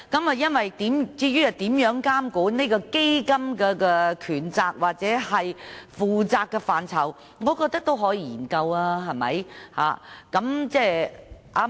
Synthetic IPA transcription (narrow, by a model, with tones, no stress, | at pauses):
kɐ˨˦˥mɐ˨jɐ˥nwɐ˨jt̪iː˨˥mt͡siː˧jyː˥hɐ˨t̪iː˨˥mjœː˨˥ŋkaː˥mkuː˨˥nne˥kɔː˧ke˥jkɐ˥mkɛː˧kɛː˧kʰyː˨˩nt͡saː˧k̚waː˨k̚t͡sɛː˨˥hɐ˨jfuː˨t͡saː˧kːɛ˧faː˨nt͡sʰɐ˨˩w | ŋɔː˨˧kɔː˧k̚t̪ɐ˥k̚t̪o˥wɦɔː˨˥jiː˧jiː˨˩nkɐ˧waː˧ɦɐ˨jmɐ̰˨˥jha̰ː˨˧kɐ˨˥mt͡sɛː˥˩ʔaː˧